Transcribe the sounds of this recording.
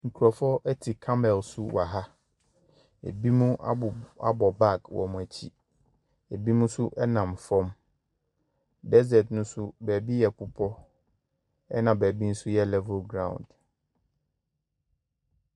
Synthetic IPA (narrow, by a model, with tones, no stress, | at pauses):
ŋ̩˨kʰu˨ɾɔ˨fɔ˦ʔɛ˦tʰi˨kʰã˦mɛ˨lsʊ˦wa˨ɦa˦ | ḛ˨bi˦mũ˦a˦a˦bɔ˨ba˦˨kwɔ̰˨m̃˨æ˨t͡ɕʰḭ˦ | e˨bi˦mũ˦sʊ˦ʔɛ˦nã˨mfɔ̃˦m | dɛ˦zɛ˨dnʊ̃˦sʊ˦bæː˨bi˦jɛ˨kʰʊ˨pʰɔ˦ | ɛ˦nã˨bæ˨bi˦n̩˦sʊ˦jɛ˦˨lɛ˦vʊ˦lɡɾã̰˦˨wʊ̰̃˨nd